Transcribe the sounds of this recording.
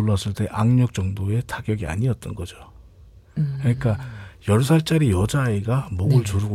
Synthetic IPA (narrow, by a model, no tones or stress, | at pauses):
oɭːas͈ɯɭt͈e̞ʔaŋɲʌk̚t͡ɕ͈ʌŋdoe̞tʰaɡjʌɡia̰ɲiʌt̚t͈ʌnɡʌd͡ʑo | kɯɲik͈ajʌɭs̬ʰaɭt͡ɕ͈aɾijʌd͡ʑaiɡamʌɡɯɭt͡ɕuɾɯɡo